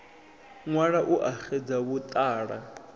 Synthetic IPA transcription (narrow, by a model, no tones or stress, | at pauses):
ŋwaɺaʔuʔaxed͡zaβut̪ʼaːɺa